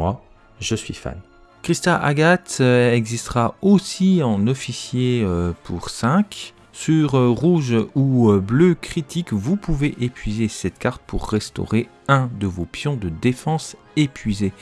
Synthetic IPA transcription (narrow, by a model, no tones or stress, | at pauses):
wa | ʒəsɥḭfa̰n | kχist̪aʔa̰ɡat̪ɛɡzist̪əʁaosiɑ̃nɔfisjeøpʰuʁsɛ̃k | syʁʁuʒuøbløkχit̪ʰikvupuveʔepɥizesɛt̪kaʁt̪̚pʰṵʁːɛst̪ɔ̰ʁe | ɛ̃d̪əvopjɔ̃d̪əd̪efɑ̃s | epɥize